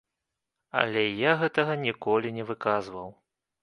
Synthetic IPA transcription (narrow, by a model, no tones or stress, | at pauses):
ɐ̰lʲɛjaɣɛt̪ɐɣɐnʲikɔlʲinʲɛvɨkazvɐw